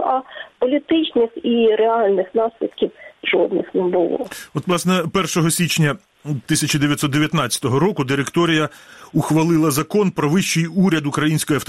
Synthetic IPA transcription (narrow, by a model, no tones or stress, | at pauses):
ɐpɔlʲit̪ɪt͡ʃnɪxiɾeɑlʲnɪxnɑslʲḭd̪kʲiwʒɔ̰d̪nɪxnɛbʊlˠɔ̰ɔt̪ʋlˠɑsnɛpɛrʃɔɦɔsʲit͡ʃnʲɐ | t̪ɪsʲɐt͡ʃɐd̪eʋʲjɐt̪sɔt̪ːeʋʲjɐt̪nɑt͡sʲɐ̥t̪ɔɦɔɾɔkʊd̪ɪɾekt̪ɔɾʲijɐʊxʋɐlˠɪlˠɐzɐkɔnpɾɔʋɪʃt͡ʃɪjuɾʲɐd̪ʊkɾɐjinʲsʲkɔjiɐft̪